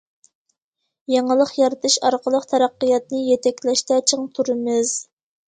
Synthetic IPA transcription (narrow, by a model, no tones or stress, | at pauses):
jɑŋəlˠəqjɑɾɨt̪ʰɨʃɑɾqʰəlˠəqt̪ʰɛɾæqːəjɑt̪nɨjet̪ʰɛkʲlɛʃt̪ɛt͡ʃʰəŋt̪ʰuɾɨmɨz̥